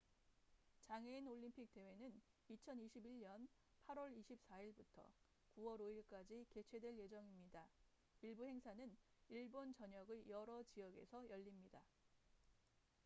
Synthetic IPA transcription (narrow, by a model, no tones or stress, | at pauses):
t͡ɕaŋeinoɭːimpʰik̚t͈e̞we̞nɯnit͡ɕʰʌniɕʰibiɭɲʌn | pʰaɾwʌɾiɕʰip̚s͈aiɭbutʰʌ̰ | kuwʌɾoiɭk͈ad͡ʑike̞t͡ɕʰwe̞dwe̞ɭje̞d͡ʑʌŋimɲida | iɭbuhe̞ŋsʰanɯniɭbont͡ɕʌɲʌɡɯjʌɾʌt͡ɕijʌɡe̞̰sʰʌjʌʎːimɲida